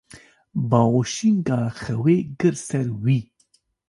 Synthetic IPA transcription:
baoʃiŋɡaxɐweɡəɾsɐɾwi

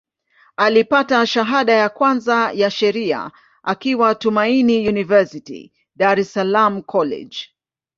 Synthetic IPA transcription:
alipataʃaɦaɗajakwanzajaʃɛɾia̰ | ʔakiwatumainijunivɛsitḭ | ɗaɾɛsalam̩kʰɔlɛ̰d͡ʒ

